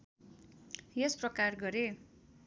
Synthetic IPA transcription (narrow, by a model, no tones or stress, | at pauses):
jesprʌkarɡʌɾe